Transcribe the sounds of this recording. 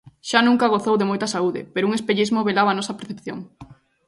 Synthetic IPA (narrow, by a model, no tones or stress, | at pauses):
ʃanũŋkɐɣ̞oθowðemojt̪ɐsauðɪ̰peɾʊuŋespeʎizmoβelaβaːnɔsɐpeɾθepθjoŋ